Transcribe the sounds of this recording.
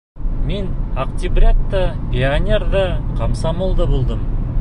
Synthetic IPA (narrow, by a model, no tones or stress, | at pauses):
menaqt̪ʲibrʲat̪ːəeanʲerdəqʰɑmsɑmolˠd̪əbolˠd̪əm